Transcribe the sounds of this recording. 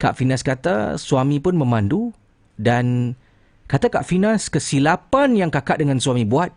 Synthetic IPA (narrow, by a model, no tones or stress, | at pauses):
ka̰ʔfinãskat̪a̰suamĩpʊnmə̃mãndu | dan | kat̪aka̰ʔfinãskəsilapanjaŋkakaʔ̚dəŋãnsuamĩbuat̪̚